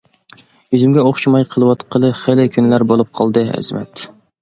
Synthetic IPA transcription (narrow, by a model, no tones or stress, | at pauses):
jyzymɡʲɛoχʃimɑjqʰəlˠɨwɑt̪qʰəlˠɨχelɪkʲʰynlæɾbolˠup̚qʰɑlˠd̪ɨɛ̰zɪmɛ̰t̪